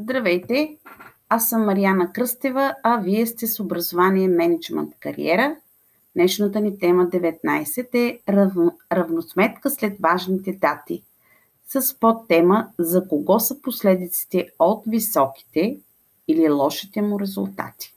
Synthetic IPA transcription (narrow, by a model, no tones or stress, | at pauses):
zd̪ɾɐvɛjt̪ɛ | asːəmːɐɾianəkɾɤst̪ɛvəɐviɛst̪ɛsobɾəzovaniɛmɛnɛd͡ʒmɛ̰nt̪kɐɾḭɛɾə | nɛʃnət̪ənit̪ɛməd̪ɛvɛt̪̚najsɛt̪ɛ | ɾɐvnosmɛt̪kəslɛt̪vaʒnit̪ɛd̪at̪i | səspot̪ːɛməzɐkoɡɔsəposlɛd̪it̪si̥t̪ɛot̪visɔk̟i̥t̪ɛ | ililˠɔʃi̥t̪ɛmuɾɛzʊ̰lˠt̪a̰t̪i̥